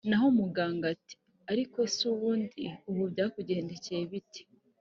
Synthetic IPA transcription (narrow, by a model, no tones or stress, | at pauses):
naɦomuɡaːŋɡati̥ | aɾiko̞suβuːndiuβubɟaːkuɟe̞ːndecejeβiti̥